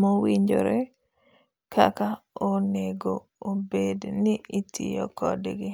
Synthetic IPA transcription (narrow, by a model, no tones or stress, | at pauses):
mowiɲd͡ʒo̰ɾɛ | kʰakaoneɡo | obedniitʰḭjɔ̰kʰɔdɡɪ